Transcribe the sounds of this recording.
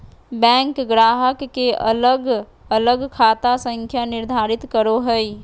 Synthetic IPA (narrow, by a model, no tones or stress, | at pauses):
bɛ̃ːŋkɡɾaːɦəkːeʔə̰ləɡ | ələɡkʰaːt̪asə̃ŋkʰjanɪɾd̪ʱaːɾɪt̪kəɾoɦəi